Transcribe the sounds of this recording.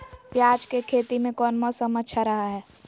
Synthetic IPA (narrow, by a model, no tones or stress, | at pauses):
pjaːd͡ʒkekʰeːt̪imẽkɔːnmɔsəməʃʰaɾɐɦaɦɛː